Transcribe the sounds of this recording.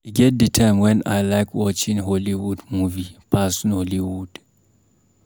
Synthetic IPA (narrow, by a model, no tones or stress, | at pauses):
iɡɛt̚ditʰãɪmwɛ̃na̰jlaɪkʰwɔt͡ʃĩŋɦoliwudmuvipʰasnholiwud̥